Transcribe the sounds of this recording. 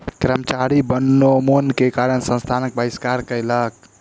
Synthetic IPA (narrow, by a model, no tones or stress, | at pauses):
kɾəmət͡ʃaɾibənːomonkekaɾənsə̃nst̪ʰanək̚bəiskaɾkəjlək̚